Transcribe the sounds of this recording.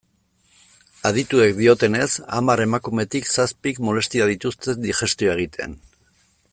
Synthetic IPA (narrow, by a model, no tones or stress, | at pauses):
aðit̪ue̞kd̪io̞t̪e̞ne̞sa̰maɾe̞makume̞t̪iksaspikmo̞le̞st̪iɾaðit̪ust̪e̞nd̪ixe̞st̪ioae̞ɣ̞it̪e̞̰n